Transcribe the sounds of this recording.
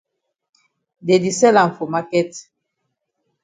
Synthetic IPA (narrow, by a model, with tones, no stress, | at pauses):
de˨di˨sɛ˦la˨ɱ˨fo˨ma˦kɛ˦t